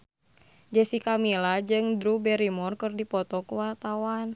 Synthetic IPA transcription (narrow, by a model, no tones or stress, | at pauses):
d͡ʒɛsikamilad͡ʒɨŋdɾubɛɾimɔrkɨrdipɔt̪ɔkəwart̪awan